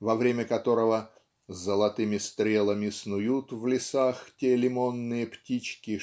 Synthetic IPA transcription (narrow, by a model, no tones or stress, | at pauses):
vɐvɾʲemʲəkɐt̪o̞ɾəvə | zːəlˠɐt̪ɨmʲɪst̪ɾʲelˠəmʲɪsnʊjut̪vlʲɪsaxtʲelʲɪmo̞nːɨjəptʲit͡ɕkʲɪ